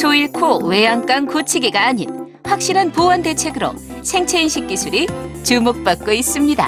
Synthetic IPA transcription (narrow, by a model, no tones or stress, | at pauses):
soiɭkʰowe̞jaŋk͈ankut͡ɕʰiɡiɡaːɲin | ɸwak̚ɕ͈iɾanpowʌnde̞t͡ɕʰe̞ɡɯɾo̰sʰe̞ŋt͡ɕʰeinɕʰik̚k͈isʰuɾit͡ɕumok̚p͈ak̚k͈ois͈ɯmɲida̰